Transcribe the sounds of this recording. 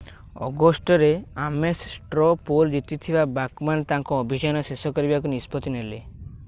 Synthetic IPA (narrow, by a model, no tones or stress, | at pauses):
ɔ̰ɡɔsʈɔɾeamessʈɾɔpold͡ʒit̪it̪ʰibabakmant̪ãŋkɔːbʱid͡ʒanɔsesɔkɔɾibakunispɔt̪inele